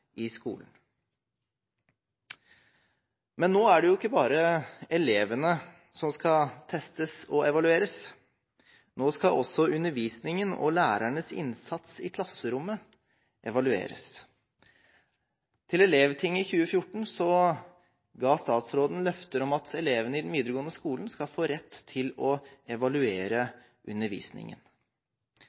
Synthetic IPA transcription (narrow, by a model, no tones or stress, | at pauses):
ɪskṵːlən | mɛnːoːæɖɛjʊɪkːəbɑːɾəɛleːʋənə | sɔmskɑt̪ʰɛst̪əsɔɛʋɑlʉeːɾəs | noːskɑʔɔsːɔʉnːəɾʋiːsnɪŋənɔ̰læːɾæɳəsɪ̰nsɑt̪sɪ̰kʰlɑsːəɾʊmːə | ʔɛʋɑlʉḛːɾə̰s | t̪ʰɪlɛleːʋt̪ʰɪŋːɪçʉːəfjʊʈːɳ̩sɔ | ɡɑːst̪ɑːt̪sɾoːd̪n̩lœft̪əɾɔmɑt̪ʰɛleːʋənəɪd̪ɛnʋiːd̪ɾəɡoːənəskuːln̩skɑfoːɾɛt̪ʰːɪlɔɛʋɑlʉeːɾə | ʔʉnːəɾʋḭːsnɪ̰ŋə̰n